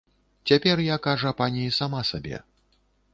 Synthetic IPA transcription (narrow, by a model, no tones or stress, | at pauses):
t͡sʲapʲɛrjakaʐuɐpanʲiisamasabʲɛ̰